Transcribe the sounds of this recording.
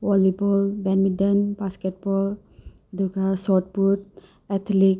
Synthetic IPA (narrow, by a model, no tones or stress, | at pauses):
ʋɔlibɔlbɛnmiɖənbaskeʈ̚bɔl | d̪ʱuɡasɔʈbuʈ | ɛt̪ʰlik